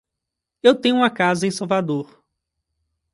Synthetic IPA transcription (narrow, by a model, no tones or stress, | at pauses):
ewt̪ẽɲ̃ʊũmɐkazɐẽj̃sawvad̪oɾ